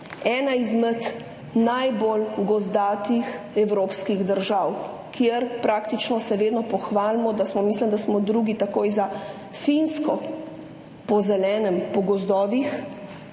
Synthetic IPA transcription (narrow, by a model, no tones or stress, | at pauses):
ɛːnaizmɛt̪ | najbolɡɔzd̪aːt̪ixɛwɾoːpskiɣd̪əɾʒaw | kjeɾpɾaːkt̪it͡ʃnɔsɛʋeːd̪nɔpɔxʋaːlmɔd̪asmɔmislimd̪asmɔd̪ɾuɡit̪akoːjza | finskɔ | pɔzɛlɛːnɛmpɔɡɔzd̪ɔːʋix